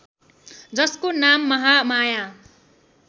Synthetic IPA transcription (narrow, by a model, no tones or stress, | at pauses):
d͡zʌskonamːʌɦamaja